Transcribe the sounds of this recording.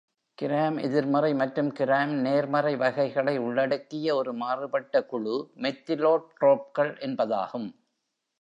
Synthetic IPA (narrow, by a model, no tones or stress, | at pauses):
kɪɾaːmɛ̰ðɪɾmɐɾɐɪmɐʈɾɯmkɪɾaːmneːɾmɐrɐɪʋɐɣɐɪɣɐɭɐɪʊɭːɐɽɯkːɪjɐɔɾɯmaːrɯpɐʈːɐkʊɻɯmɛt̪ːɪloːʈ̚ʈroːp̚kɐɭʔɛnbɐða̰ːɣɯm